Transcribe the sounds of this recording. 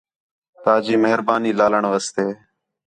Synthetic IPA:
t̪aːd͡ʒiːməɦɾbaːniːlaːləɳʋəst̪eː

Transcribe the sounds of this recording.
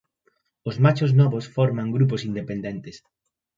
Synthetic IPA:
ʊzmat͡ʃoznɔβosfɔɾmãŋɡɾuposind̪epend̪ent̪ɪs

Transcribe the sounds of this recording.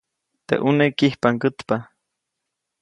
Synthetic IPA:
t̪ḛʔunekihpaŋkət̪pa

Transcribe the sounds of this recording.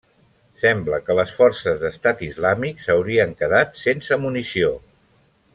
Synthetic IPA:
sɛmbləkələsfɔrsəzðəst̪at̪izlamiksəwɾiəŋkəðat̪sensəmunisio

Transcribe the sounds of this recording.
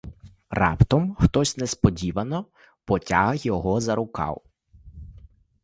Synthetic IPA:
rɑ̰pt̪ɔmxt̪ɔsʲnɛspɔdʲiʋɐnɔ | pɔtʲaɦɐxjɔɦɔzɐɾʊkɑ̰w

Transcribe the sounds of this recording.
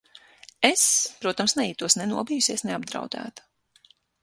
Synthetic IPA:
espɾuɔt̪amsnɛiːt̪uɔsnɛnuɔbijusiɛsnɛab̚d̪ɾa̰wd̪æ̰ːt̪u̥

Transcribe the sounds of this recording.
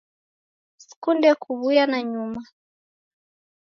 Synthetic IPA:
si̥kundɛkuβujanaɲuma

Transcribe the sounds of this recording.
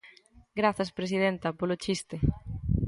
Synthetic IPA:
ɡɾaθɐspɾesið̞ent̪ɐpolot͡ʃist̪e

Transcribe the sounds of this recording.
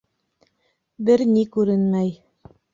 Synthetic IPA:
bɘɾnikʉɾɘnmæj

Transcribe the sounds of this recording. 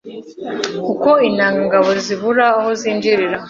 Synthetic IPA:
uko̞inaːŋɡaŋɡaβo̞ziβuɾaːho̞ziːnd͡ʒiɾiɾa

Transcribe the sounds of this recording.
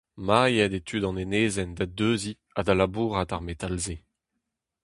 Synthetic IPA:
majɛdet̪ʰydɑ̃neneːzɛndad̪øːzi | ad̪alabuːʁataʁmet̪alze

